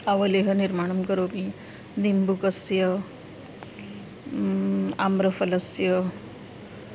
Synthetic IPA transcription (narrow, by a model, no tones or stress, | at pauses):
ɐʋɐleɦɐniɾmaːɳ̃ɐmkəɾoːki | d̪imbukɐsjɐ | a̰mɾəfɐlɐsjə